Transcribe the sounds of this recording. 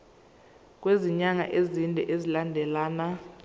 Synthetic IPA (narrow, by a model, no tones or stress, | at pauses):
k̬ʼweziɲaŋa̰ʔezindʱɛ̰ʔezilandʱɛlaːna